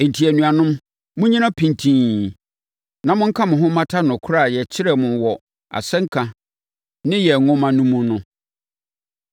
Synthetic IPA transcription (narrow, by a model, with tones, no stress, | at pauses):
ẽ˨n˨tʰi˨æ˨nũ˨a˨nʊ̃˦m | mʊ̃˦ɲĩ˦nã˦pʰĩ˨ntʰĩː˨ | nã˨mʊ̃˦ŋ̩˦kʰa˦mʊ̃˨ɦʊ̃˦mã˦tʰa˦nʊ̃˨kʰʊ˦ɾa˨jɛ˨t͡ɕʰɪ˦ɾɛ˦˨mʊ̃˨wɔ˨ | a̰˨sɛ̃˦ŋ̩˦kʰã˨ | nɪ̃˦jɛ˨ŋʊ̃˦mã˨nũ˦mũ˦nʊ̃˦